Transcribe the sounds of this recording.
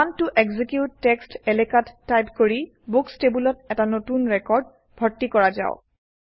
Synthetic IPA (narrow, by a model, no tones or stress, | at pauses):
antuʔeɡzikjutːɛkstelekatːajpkoɹi | bukstebulɔt̚ɛtanotunɹɛkɔɹd̚ | bʱɔɹtːikɔɹaza̰ʊ